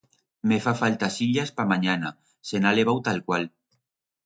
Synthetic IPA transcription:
mefafalt̪asiʎaspamaɲana | senaleβ̞awt̪alkwal

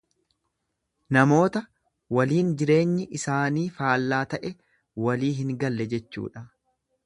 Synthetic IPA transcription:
nɐmo̞ːt̪ɐ | wɐliːnd͡ʒɪɾe̞ːɲːɪʔɪsaːniːfaːlːaːt̪ɐʔɛ | wɐliːɦɪŋɡɐlːɛd͡ʒɛt͡ʃːṵːᶑɐ

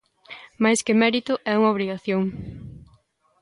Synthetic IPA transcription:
majskɪmɛɾit̪ʊʔɛuŋaoβ̞ɾiɣaθjoŋ

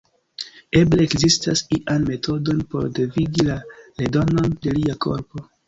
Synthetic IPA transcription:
e̞bleːkzistasiʔanme̞tʰo̞do̞npo̞̰ɾdeviɡilale̞do̞no̞nde̞liakʰo̞̰ɾpo̞

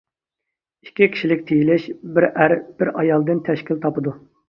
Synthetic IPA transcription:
i̥kʲːikʲʰi̥ʃilɪk̚ʲt̪ʰejilɪʃbɪɾʔæɾb̥ɪɾɑjɑlˠd̪ɨnt̪ʰɛʃkʲilt̪ʰɑpɨd̪u

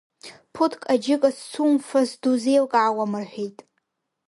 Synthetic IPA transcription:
pʰʊtʰkʼad͡ʒɪkʼast͡sʰumfasduzejlkʼaːwamɨrħʲʷᶣijtʼ

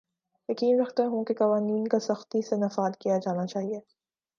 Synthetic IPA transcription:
jɐkiːnɾɐxt̪eɦũkekɐʋaːniːnkasɐxt̪isenɐfaːd̪kijad͡ʒaːnat͡ʃaːɦieː

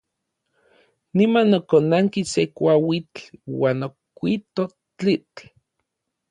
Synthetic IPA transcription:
nimanːokonaŋkisekʷawit͡ɬwaːnokʷit̪o | t͡ɬit͡ɬ

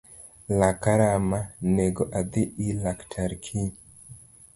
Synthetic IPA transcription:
lakaɾamaneɡoʔad̪ɪʔilaktʰaɾkʰiɲ

